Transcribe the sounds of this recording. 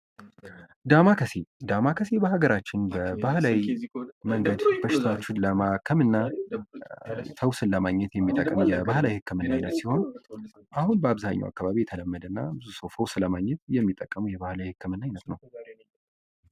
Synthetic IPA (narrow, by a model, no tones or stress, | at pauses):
d̪amakʰəse̞d̪amakʰəse̞bəhaɡəɾat͡ʃːɪnbəbahlawiməŋɡəd̪b̥əʃɪt̪ʰawot͡ʃːɪnləmakʰəmɨnːa | səwsɨnːəmaɲːɛt̪jɛmːit̪ʼːəkʼːəmjɛbahlawihɨkːɨmɨnːajnət̪siho̞n | ʔahunbəaβzaɲːa̰wʔa̰kːaβaβijɛt̪ʰələmːəd̪ɨnːa̰bɨzusəwsəwsɨləmaɲːɛt̪jɛmːit̪ʼːəkʼːəmujɛβahlawihɨkʰːɨmɨnːajnət̪nəw